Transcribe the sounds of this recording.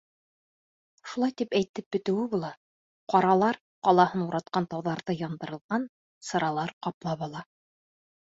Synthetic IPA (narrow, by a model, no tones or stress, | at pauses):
ʃulˠɑjt̪ipæjt̪ɘp̚bɘ̆t̪ɘ̆wɘβulˠɑ | qɑɾɑlˠɑɾ | qɑlˠɑhɤnuɾɑt̪̚qɑnt̪ɑwðɑɾðɤjɑnd̪ɤ̆ɾɤ̆lˠʁɑn | sɤ̆ɾɑlˠɑɾqɑplˠɑβɑlˠɑ